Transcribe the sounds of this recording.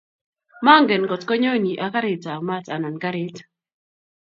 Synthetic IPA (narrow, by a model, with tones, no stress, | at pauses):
ma˦ŋɡɛ˨nkɔ˨tkɔ˦ɲo˦ni˨ʔa˨ka˦ɾɪ˨ta˨ma˦ta˨nɔ˨nka˦ɾɪ˦t